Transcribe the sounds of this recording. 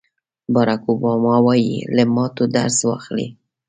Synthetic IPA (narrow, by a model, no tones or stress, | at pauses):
bɑɾakobɑmɑwɑjḭləmɑt̪od̪a̰ɾswɑ̰xlḭ